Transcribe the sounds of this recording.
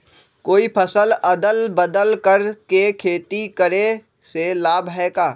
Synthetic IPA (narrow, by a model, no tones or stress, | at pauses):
koːipʰɐsəlɐd̪əlbəd̪əlkəɾkekʰeːt̪ikəɾe | selaːbʱɦɛːkaː